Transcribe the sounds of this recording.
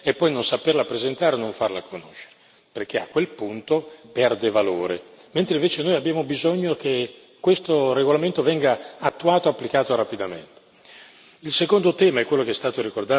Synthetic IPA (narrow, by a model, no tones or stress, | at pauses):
epːɔjnonsaperlapɾezent̪aːɾeonoɱfarla̰kʰono̰ʃːe̥ɾe | perk̟eakːwelpunt̪opɛrd̪evalo̰ːɾḛ | ment̪ɾeĩɱveːt͡ʃenoːjabːjaːmobizoɲːokʰe | kːwest̪oreɡolament̪ovɛŋɡaat̪ːuaːt̪oapːlikaːt̪oɾapid̪amḛnt̪e̥ | ilsekond̪ot̪ɛːmaɛkːwelːokeɛst̪aːt̪oɾikord̪aː